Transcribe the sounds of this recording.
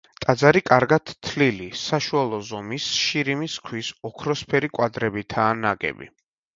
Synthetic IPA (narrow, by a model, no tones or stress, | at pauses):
t̪ʼad̪zaɾikʼaɾɡat̪ːʰlilisaʃualˠɔzɔmisʃiɾimiskʰwisɔkʰɾɔspʰɛɾikʼwad̪ɾɛbit̪ʰaːnaɡɛ̰bḭ